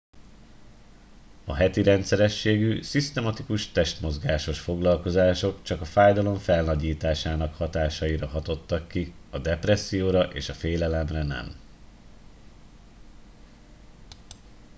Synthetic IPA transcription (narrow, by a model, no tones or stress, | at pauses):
ɒ̰ɦɛt̪iɾɛnt̪sɛɾɛʃːeːɡysist̪ɛmɒt̪ikuʃt̪ɛʃt̪mo̞zɡaːʃo̞ʃfo̞ɡlɒlko̞zaːʃo̞kt͡ʃɒkɒfaːjd̪ɒlo̞ɱfɛlnɒɟiːt̪aːʃaːnɒkhɒt̪aːʃɒjiɾɒɦɒt̪o̞t̪ːɒkːiɒd̪ɛprɛsːijoːɾɒʔḛːʃɒfeːlɛlɛmrɛnɛ̰m